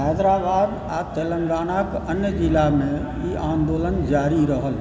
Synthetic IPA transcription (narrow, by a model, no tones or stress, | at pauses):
ɦɛːd̪ɾabaːd̪ | aːt̪elə̃ŋɡaːnakənjəd͡ʒɪlamẽ | iʔaːnd̪oːlənd͡ʒaːɾiɾəɦəl